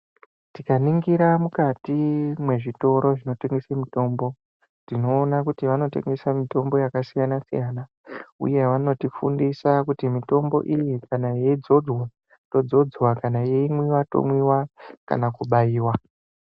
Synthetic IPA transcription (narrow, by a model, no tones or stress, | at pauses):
tikaniŋɡiɾamukatimwe̞ʐito̞ɾo̞ʐino̞te̞ŋɡesemito̞mbo̞ | ndino̞ːnakutiʋano̞te̞̰ŋɡe̞samito̞mbo̞jakasijanasijana | ṵje̞ʋano̞tifṵndisakutimito̞mbo̞̰ʔijikanajeid͡zo̞d͡zwa | to̞d͡zo̞d͡zwakanajeimwiwato̰mwiwaka̰nakuɓajiːwa